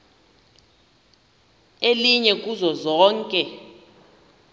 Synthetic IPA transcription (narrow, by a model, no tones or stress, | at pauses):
eliɲɛk̬ʼuzɔzɔːŋkʼɛ